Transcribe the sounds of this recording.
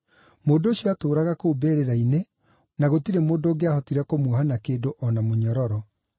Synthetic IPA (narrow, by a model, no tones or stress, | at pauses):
moːndoːɕiɔatoːɾaɣakoubeːɾeɾaine | naɣotiɾemoːndoːɡeahɔtiɾɛkomwɔhanakeːdoʔɔnamoɲɔɾɔɾɔ